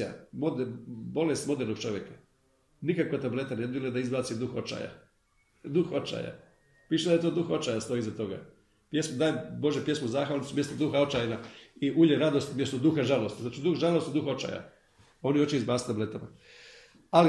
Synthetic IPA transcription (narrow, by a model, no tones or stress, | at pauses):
a̰mod̪bo̞lest̪mo̞d̪eɾno̞ɡ̥t͡ʃo̞ʋʲjekḁ | nikakat̪able̞t̪aned̪biled̪aizbaːt̪sid̪uxo̞̰t͡ʃa̰ja̰ | d̪uxot͡ʃa̰ja̰ | piːʃed̪ajet̪oːd̪uxo̞t͡ʃaːjast̪o̞izat̪o̞ɡa̰ | pje̞smud̪aːjebo̞ʒepje̞smozaːxʋalnisumje̞st̪od̪uxao̞t͡ʃajnaiʔuʎeɾad̪o̞st̪mʲjest̪od̪uxaʒalost̪zaːt͡ʃid̪uxʒalo̞st̪id̪uxo̞t͡ʃa̰ja̰ | o̞niot͡ʃeizbaːsit̪able̞t̪ama | ali